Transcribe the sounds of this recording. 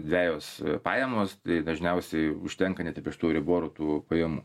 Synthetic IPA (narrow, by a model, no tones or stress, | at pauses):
d̪ʲʋʲæːjoːspɑːjɛmoːst̪ɐɪd̪ɐʒʲnʲɛʊsʲɛɪʊʃʲt̪ʲɛŋkɐnʲɛt̪ɪpʲiɛʃt̪uːɾʲɪboːɾut̪uːpɐjɛmuː